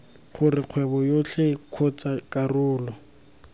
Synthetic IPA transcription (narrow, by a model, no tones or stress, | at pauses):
χʊrɪq͡χʰwɛbɔjoɬekʰɔt͡sakʼarʊːlɔ